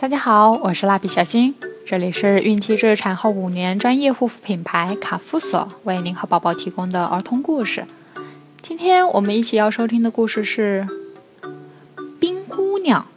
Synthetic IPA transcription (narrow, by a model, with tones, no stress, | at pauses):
t̪a˥˩t͡ɕja˥xɑ˨˧˦ʊwɔ˨˩ʂɻ̩˥˧la˥˩pʰi˨˩ɕjɑ˨˩ɕi˥nʈ͡ʂɤ˥˩li˨˩ʂɻ̩˥˧y˥˩nt͡ɕʰi˥ʈ͡ʂɻ̩˥˩ʈ͡ʂʰa˨˩nxo˥˩ʊu˨˩njɛ˧˥nʈ͡ʂwa˥njɛ˥˧xu˥˩fpʰi˨˩ŋpʰa˧˥ɪkʰa˨˩fu˧˥swɔ̰˨˩˦we˥˩ɪ˩mi˧˥ŋxɤ˧˩pɑ˨˩ʊpɑ˥˩ʊt̪ʰi˧˥kʊ˥ŋd̪ə˨ʔə̰˧˥t̪ʰʊ˧˥ŋku˥˧ʂɻ̩˩ | t͡ɕi˥nt̪ʰjɛ˥nwɔ˨˩mə˦ni˥˩t͡ɕʰi˨˩jɑ˥˩ʊʂo˥t̪ʰi˥ŋd̪ə˨ku˥˧ʂɻ̩˥˧ʂɻ̩˥˩ | pi˥ŋku˥njɑ˨˩˦ŋ